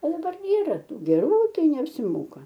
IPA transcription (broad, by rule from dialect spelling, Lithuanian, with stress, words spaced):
oː dɐˈbɐr ˈiːrɐ ˈtuː ɡʲɛˈruː ˈtɐɪ nʲɛɐpʲsʲɪˈmoːkɐ